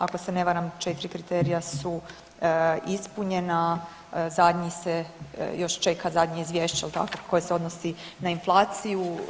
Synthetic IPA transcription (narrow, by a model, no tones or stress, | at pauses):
ako̞sene̞ʋaɾamt͡ʃe̞t̪iɾikɾit̪eɾijasu | ispuɲe̞na | zad̪ɲisejo̞ʃt͡ʃe̞kʰazad̪ɲiizʋje̞ːʃt͡ɕejelt̪a̰kokʰo̞jeseo̞d̪nosinainflˠaːt̪siju